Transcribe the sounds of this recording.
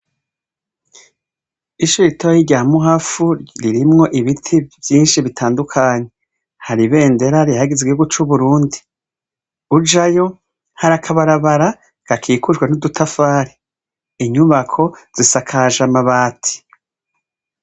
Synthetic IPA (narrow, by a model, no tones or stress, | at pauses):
iʃuɾitojiɾɟaːmuɦafuɾiɾimŋo̞ʔiβitʰivjiːnʃiβitʰaːndukʰaɲe̞ | haɾiβe̞ːnde̞ɾaɾihaɡizɡweoɡut͡ʃuβuɾuːndi | ud͡ʒajo̞ | haɾakʰaβaɾaβaɾa | ɡ̥akʰiːkuʒɡwenudutʰafaːɾe | iɲuβakʰo̞z̥isakʰaʒamaβaːtʰi̥